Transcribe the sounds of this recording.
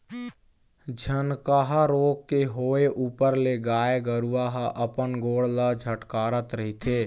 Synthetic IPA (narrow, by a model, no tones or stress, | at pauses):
d͡ʒʱənkaːɦaɾoːɡ̚keɦoːeʔuːpəɾleɡaːeɡəɾuʋaːɦaʔəpənɡoːɽləd͡ʒʱəʈkaːɾət̪ɾəɦit̪ʰeː